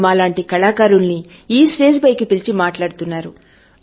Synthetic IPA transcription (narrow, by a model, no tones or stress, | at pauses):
maːlaːɳʈikɐɭaːkaːɾulni | iːsɾeːd͡ʒbɐjkipilt͡ʃimaːʈlaːɽut̪unːaːɾu